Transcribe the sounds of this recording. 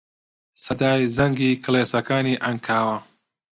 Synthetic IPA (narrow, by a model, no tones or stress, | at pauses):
sɐd̪aːjzɐŋɡiːkʰɨleːsɐkaːniːʔɐŋkʰaːwɐ